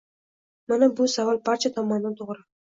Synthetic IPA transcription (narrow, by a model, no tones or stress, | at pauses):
manabʊsavalˠbaɾt͡ʃʰat̪ʰɒmɒnnɪt̪ʰoʁɾɪ